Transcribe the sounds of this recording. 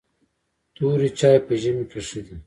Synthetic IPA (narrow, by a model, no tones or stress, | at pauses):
t̪uːɾit͡ɕaːjpɐʑɐmikɐʂid̪i